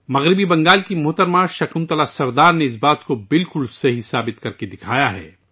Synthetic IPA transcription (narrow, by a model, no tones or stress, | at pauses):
mɐɣɾɪbibɐ̃ŋɡaːlkimʊɦt̪əɾmãʃɐkʊmt̪ɐlasɐɾd̪aːɾneɪs̬baːt̪kobɪlkʊlsɐɦisaːbɪt̪kɐɾked̪ɪkʰaːjaɦɛ̰ː